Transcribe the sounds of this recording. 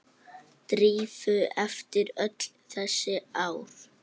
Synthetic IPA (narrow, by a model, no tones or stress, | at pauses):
t̪ɾiːvʏɛft̪ɪɾœt̪l̥θɛsːɪaːwɾ̥